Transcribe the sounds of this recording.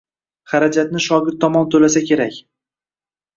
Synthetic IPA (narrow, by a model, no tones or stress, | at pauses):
χaɾad͡ʒat̪̚nɪʃɒɡʲɪd̪̚t̪ʰɒmɒnt̪ʰɵlasakʲʰe̞ɾakʲ